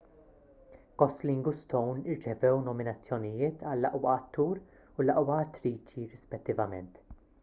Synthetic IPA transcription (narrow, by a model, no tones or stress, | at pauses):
kɔslɪŋɡʊst̪ɔwnɪɾt͡ʃɛvɛwnɔmɪnɐt͡sːjɔnɪjɪːt̪ʰɐlːɐʔwɐʔɐt̪ːuːɾ | ʊlɐʔwɐɐt̪ːɾiːt͡ʃiɾɪspɛt̪ːɪvɐmɛ̰nt̪